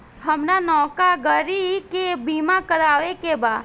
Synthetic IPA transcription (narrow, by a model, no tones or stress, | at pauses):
ɦəmnanɔkaɡəɾikebimakəɾaʋekeba